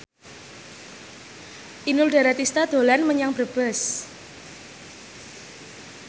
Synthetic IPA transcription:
ʔinʊlɖa̤ɾat̪ist̪ad̪̥o̤lanməɲaŋbərb̥əs

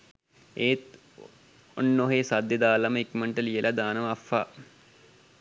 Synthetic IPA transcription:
eːt̪ | onːoɦeːsad̪jɐd̪aːlaməikməɳʈəlijəlʔad̪aːnəʋafa̰

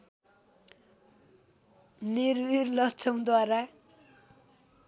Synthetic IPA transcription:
niɾwiɾlʌt͡sʰʌmd̪waɾa

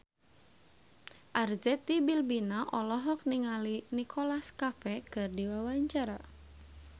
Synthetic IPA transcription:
ʔarzɛt̪ibilbinaʔɔlɔɦɔk̚niŋalinikʰɔlaskafɛkɨrdiwawaɲt͡ʃaɾa

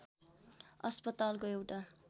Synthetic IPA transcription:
ʌ̰spʌt̪alkoewʈa

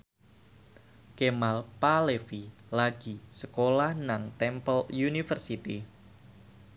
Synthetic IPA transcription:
kemalpalefilaɡ̥isəkolahnaŋt̪ɛmpəljunifərsit̪i

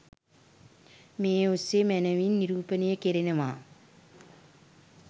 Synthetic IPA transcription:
meːusːemænəʋinːiɾuːpənejəkeɾenəʋaː

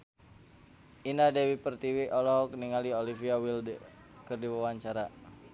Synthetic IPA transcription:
inadɛwipərt̪iwiʔɔlɔɦɔk̚niŋaliolifiawild | kərdiwawaɲt͡ʃaɾa

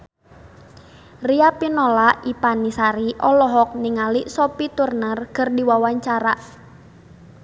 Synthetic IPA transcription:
riapinolaʔipanisaɾiʔɔlɔɦɔk̚niŋaliʔsopit̪urnərkərdiwawaɲt͡ʃaɾa

